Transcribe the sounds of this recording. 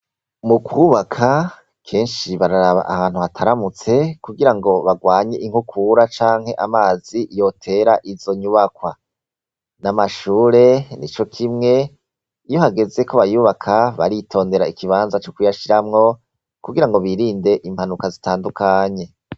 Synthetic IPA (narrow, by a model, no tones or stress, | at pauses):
mukʰwuβakʰa | kʰe̞ːnʃiβaɾaɾaβa̰ʔahaːn̥huhatʰaɾamut͡se̞kuɡiɾaŋɡo̞βaɡwaːɲe̞ʔiŋ̥hukʰuɾat͡ʃaːŋhe̞ʔamaːzijo̞tʰe̞ɾaʔizo̞ɲuβakwa | namaʃuːɾe̞nit͡ʃo̞kʰimŋe̞ | ijo̞haɡe̞ze̞ko̞βajuβakʰaβa̰ɾitʰo̞ːnde̞ɾaikiβaːnzat͡ʃokujaʃiɾamŋo̞ | kuɡiɾaŋɡo̞βiːɾiːnde̞ʔimhanukazitaːndukʰaɲe̞